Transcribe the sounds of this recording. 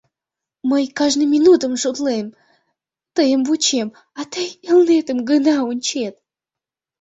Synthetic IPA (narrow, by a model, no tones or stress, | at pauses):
mɨjkaʐnɨmʲinut̪əmʐod̪lˠɨm | t̪ɨjəmvut͡ɕem | at̪ɨjilˠnet̪əmɡɨnaunʲt͡ɕet̪̚